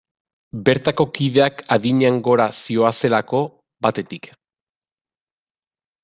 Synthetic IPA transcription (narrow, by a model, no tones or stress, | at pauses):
be̞ɾt̪ako̞kiðe̞akaðiɲaŋɡo̞ɾasio̞ase̞lako̞ | βat̪e̞t̪ik